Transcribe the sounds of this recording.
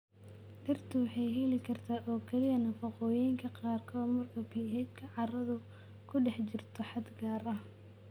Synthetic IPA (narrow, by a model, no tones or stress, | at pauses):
ʔɪrt̪ʰʊwɑħɑjɦɛlɪkʰɐrt̪ʰaːʔɔːkʰɐlɪjɐnɐfɐqɔːjɛjŋkʰɐqɑːrkʰɔːd̪mɐrkʰɐbʰiːɦɛd̪kʰɐʕɑɾɐðʊ | kʰʊɖɛħt͡ʃɪrt̪ʰɔħɑd̪ɡaːɾɐ